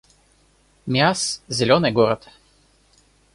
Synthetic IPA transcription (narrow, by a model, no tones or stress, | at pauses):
mʲjaszʲɛlʲɔnɛɡɔɾat̪